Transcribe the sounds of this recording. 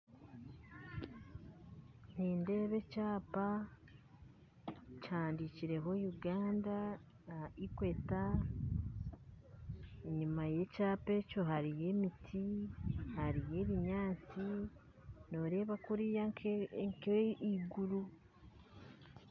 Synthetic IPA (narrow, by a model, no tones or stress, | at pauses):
niːnde̞ːβe̞t͡ʃaːpa | t͡ʃaːndiciɾe̞ɦo̞juɡaːnda | ikwe̞ta | iɲumaje̞t͡ʃaːpe̞t͡ʃo̞ɦaɾije̞ːmitʰihaɾije̞ːβiɲaːt͡si | no̞ːɾe̞βakuɾijaŋkeiɡuɾu